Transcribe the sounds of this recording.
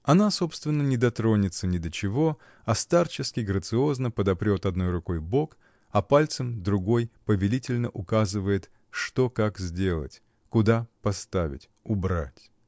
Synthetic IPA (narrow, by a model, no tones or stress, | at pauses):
ɐnaso̞pst̪vʲɪnːənʲɪd̪ɐt̪ɾo̞nʲɪt̪sənʲɪd̪ət͡ɕɪvo̞ | ɐst̪art͡ɕɪskʲɪɡɾət̪sɨo̞znəpəd̪ɐpɾʲo̞t̪ɐd̪nojrʊko̞jbo̞k | ɐpalʲt̪səmd̪ɾʊɡo̞jpəvʲɪlʲitʲɪlʲnəʔʊkazɨvəjɪt̪ | ʂt̪o̞kakzʲdʲe̞lˠə̰tʲ | kʊd̪apɐst̪avʲɪ̰tʲʊbɾa̰tʲ